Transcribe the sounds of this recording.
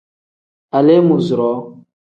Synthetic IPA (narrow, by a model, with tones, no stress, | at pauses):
a˨le˦mu˨zu˨ɾɔ˨˦